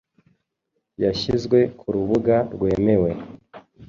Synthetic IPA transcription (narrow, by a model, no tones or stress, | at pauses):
jaʃizɡwe̞kʰuɾuβuɡaɾɡwe̞ːme̞we̞